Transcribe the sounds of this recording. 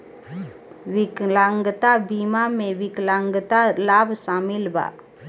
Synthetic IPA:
wɪklãŋɡt̪abimamẽwɪklãŋɡt̪alaːbsaːmɪlba̰ː

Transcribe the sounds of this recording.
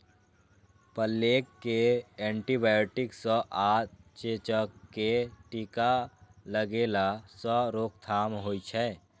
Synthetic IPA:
pəlːeːkːeɛ̃ːɳʈibajoʈɪksə̃ʔat͡ʃet͡ʃəkːeʈikaləɡeːlasəɾoːk̚t̪ʰaːmɦoit͡ʃʰɛ

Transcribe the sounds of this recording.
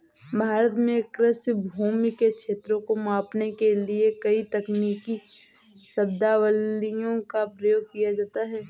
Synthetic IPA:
bʱaːɾət̪mẽkɾɪsbʱuːmikekʃʰeːt̪ɾõkomãːpnekeliekɐit̪ɐkniːki | sɐbd̪aʋəlijõkapɾɐjoːɡ̚kijad͡ʒaːt̪aɦɛː

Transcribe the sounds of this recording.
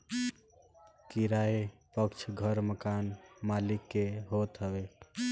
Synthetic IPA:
kiɾaepəkt͡ʃʰɡʱəɾməkanmalikːeɦot̪ɦəbe

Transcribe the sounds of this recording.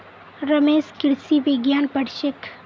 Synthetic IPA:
ɾəmeːskɪɾsiʋɪɡjaːnpəɽʃɪk

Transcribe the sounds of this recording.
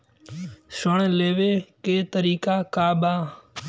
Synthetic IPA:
səɳleːʋeːkeːt̪əɾiːkaːkaːɓaː

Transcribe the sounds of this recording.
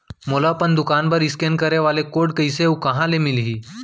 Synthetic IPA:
molapəɳd̪ukanbəɾiskenkəɾeʋalekoɽkəjsewkəɦãlemilɦiː

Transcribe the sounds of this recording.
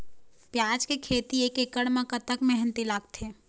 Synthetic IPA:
pjaːd͡ʒkekʰeːt̪ieːkekəɽmãkɐt̪əkmɛɦə̃nt̪ilaːɡ̚t̪ʰeː

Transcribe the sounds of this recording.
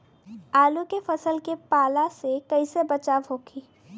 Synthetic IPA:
aːlũkefɐsəlkepaːlasekɐisebɐt͡ʃaːʋɦoːɡiː

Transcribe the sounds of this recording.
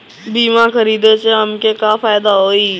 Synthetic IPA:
biːmãkəɾiːd̪et͡ʃeəmkekaːfaːjɪd̪aɦoːiː

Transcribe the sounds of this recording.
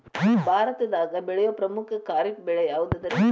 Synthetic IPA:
bʱaːɾɐt̪ɐd̪aːɡɐbɛɭɛjoːpɾɐmukʰɐkaːɾik̚bɛɭɛjaːʋud̪ɐd̪ɐɾe

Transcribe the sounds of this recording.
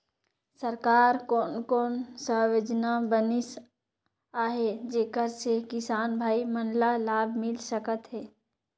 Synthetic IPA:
səɾkaːɾkonkoːnsəɦʋed͡ʒnabənɪs | aːɦed͡ʒeːkəɾsekɪsaːnbʱaːimənlalaːbʱmɪlsəkət̪ɦɛː

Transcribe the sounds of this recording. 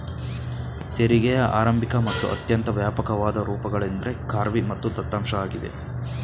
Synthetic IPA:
t̪eɾiɡɛjɐʔa̰ːɾɐmbʱikɐmɐt̪ːuʔɐ̰t̪jɐnt̪ɐʋjaːpɐkɐʋaːd̪ɐɾuːpɐɡɐɭend̪ɐɾe̞kaːɾʋimɐt̪ːud̪ɐt̪ːaːmʂɐaːɡid̪ḛ

